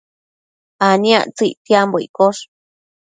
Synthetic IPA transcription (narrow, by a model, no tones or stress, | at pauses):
anĩã̰t͡sɨt̪jamboḭkoʂ